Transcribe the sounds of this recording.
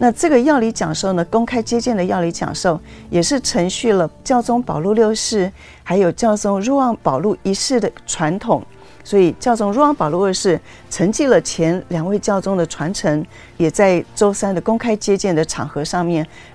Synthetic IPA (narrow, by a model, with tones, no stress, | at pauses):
na˥˧ʈ͡ʂɤ˥˩ɡə˩jɑ˥˩ʊli˧˥t͡ɕjɑ˨˩ŋʂo˥˩ʊnə˩kʊ˥ŋkʰa˥ɪt͡ɕjɛ˥t͡ɕjɛ˥˩nd̪ə˩jɑ˥˩ʊli˧˥t͡ɕjɑ̰˨˩ŋʂo˥˩ʊjɛ˨˩ʂɻ̩˥˩ʈ͡ʂʰɤ˧˥ŋɕy˥˩lə˩t͡ɕjɑ˥˧ʊt͡sʊ˥ŋpɑ˨˩ʊlu˥˧ljo˥˧ʊʂɻ̩˥˩ | xa˧˥ɪjo˨˩ʊt͡ɕjɑ˥˩ʊt͡sʊ˥ŋɻu˥˧wɑ˥˩ŋpɑ˨˩ʊlu˥˩i˧˥ʂɻ̩˥˩d̪ə˩ʈ͡ʂʰwa˧˥nt̪ʰʊ˨˩˦ŋ | swɔ˧˥i˨˩t͡ɕjɑ˥˧ʊt͡sʊ˥ŋɻu˧˥wɑ˥˩ŋpɑ˨˩lu˥˧ljo˥˧ʂɻ̩˥˩ | ʈ͡ʂʰə˧˥ŋt͡ɕi˥˩lə˩t͡ɕʰjɛ˧˥nljɑ˨˩ŋwe˥˧ɪt͡ɕjɑ˥˧ʊt͡sʊ˥ŋd̪ə˨ʈ͡ʂʰwa˧˥nʈ͡ʂʰɤ˧˥ŋ | jɛ˨˩t͡sa˥˩ɪʈ͡ʂo˥ʊsa˥nd̪ə˨kʊ˥ŋkʰa˥ɪt͡ɕjɛ˥t͡ɕjɛ˥˩nd̪ə˩ʈ͡ʂʰɑ̰˨˩ŋxɤ˧˥ʂɑ˥˧ŋmjɛ˥˩n